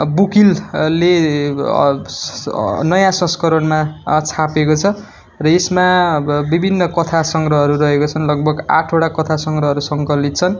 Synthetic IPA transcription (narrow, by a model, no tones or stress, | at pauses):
bukille | nʌjãsʌ̃skʌɾʌnmat͡sʰapekot͡sʰʌ | rʌesmabibʱinːʌkʌt̪ʰasʌŋɡrʌɦʌɾuɾʌɦekot͡sʰʌnlʌɡ̚bʱʌɡa̰ʈʰoʈakʌt̪ʰasʌŋɡɾʌɦʌɾusʌŋkʌlit̪̚t͡sʰʌn